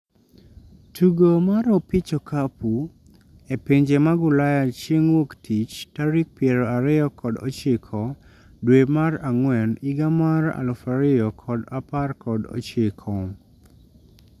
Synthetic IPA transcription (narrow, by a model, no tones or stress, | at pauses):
tuɡomaɾɔpɪt͡ʃɔkapu | epeɲd͡ʒemaɡʊlajat͡ʃeŋwoktʰit͡ʃtaɾik̚pjeɾɔaɾɪjɔkɔdɔ̰t͡ʃɪkʰɔ | dwemaraŋwɛniɡamaɾa̰lɔfaɾɪjɔkʰɔdaparkɔdɔ̰t͡ʃɪkʰɔ